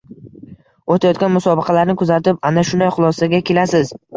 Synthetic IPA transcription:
ot̪ʰajɒt̪̚kʲanmʊsɒbɪqʰɑlaɾnɪkʰʊzat̪ɪp̚anaʃʊnd̪ajχʊlˠɒsaɡʲakʲʰe̞lasɪz

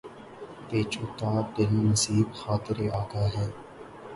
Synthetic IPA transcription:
t̪eːt͡ʃʊt̪aːd̪ɪlnɐsiːbxaːt̪ɪɾeaːɡaːɦɛː

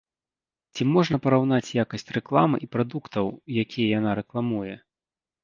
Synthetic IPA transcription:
t͡sʲimɔʐnɐpɐɾawn̪at͡sʲjakɐsʲt͡sʲrɛklˠamɨ̰ʔipɾad̪ukt̪ɐwjakʲijɛjanaɾɛklˠamujɛ

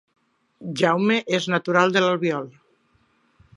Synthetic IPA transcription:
ʒawmeʔeznat̪uɾalˠd̪elalˠβjɔl

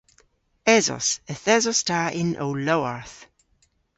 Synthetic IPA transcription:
ɛzɔ̰səθɛzɔstʰaʔɪnʔo̰wlowaɹθ

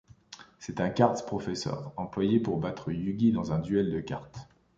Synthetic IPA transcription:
sɛt̪ɛ̃kaʁt̪pχɔfɛsœ̰ːʁɑ̃plwajepuʁbat̪χəjyɡʲid̪ɑ̃zɛ̃d̪yɛld̪əkaʁt̪

